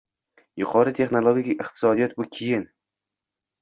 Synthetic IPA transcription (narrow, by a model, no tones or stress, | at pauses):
jʊqʰɒɾɪt̪ʰe̞χnolˠoɡʲikʲiɪqt̪ʰɪ̥sɒd̪ijɒt̪̚bʊkʲʰejɪn